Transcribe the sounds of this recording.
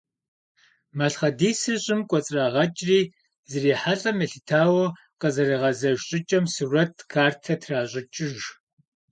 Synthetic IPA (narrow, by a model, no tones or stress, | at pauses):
mɐɬχɐdiːsɨrɕʼɪmkʷʼɔt͡sʼraːʁɐt͡ʃʼriː | zɨriːħaɬʼɐmeɬɨtʰaːwɐ | qɐzɐriːʁɐzɐʒɕʼɪt͡ʃʼɐmsurɐtʰkʰaːrtʰɐtʰraːɕʼɪt͡ʃʼɪʒ